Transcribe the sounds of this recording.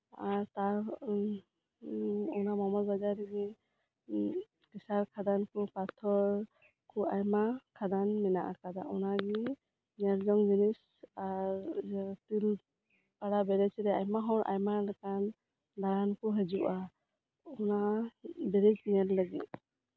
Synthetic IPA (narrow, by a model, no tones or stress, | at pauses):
aɾt̪aɾ | ɔnamɔmɔtbad͡ʒaɾɛɡɛ | kisaɾkʰad̪ankɔpat̪ʰɔɹ | kʰɔajmakʰad̪anmɛnaʔa̰kad̪aʔɔnaɡi | nɛlzɔŋd͡ʒinis | aɾt̪il | paɽabɛɾɛt͡ʃiɾɛajmaɦɔwɾʔa̰jmalakan | d̪aɡankɔɦɛd͡ʒuʔa | ɔnabɛɾɛd͡ʒiɛllaɡḭt̪̚